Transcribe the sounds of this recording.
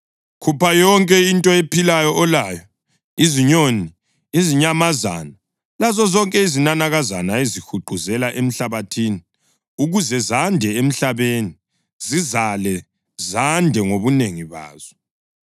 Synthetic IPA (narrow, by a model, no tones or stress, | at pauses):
kʰupajɔŋkʼɛintʼɔepʰilajɔʔːlaːjɔ | iziɲoni | iziɲamaza̰na | lazɔzɔŋkʼɛizinanaɣazanaezixuǃʱuzɛlaʔem̩ɬaβatʰiːni | uɣuzɛzandʱɛem̩ɬaβeːni | zizalɛ | zandʱɛŋoβuneŋiβa̰ːz̥ɔ̥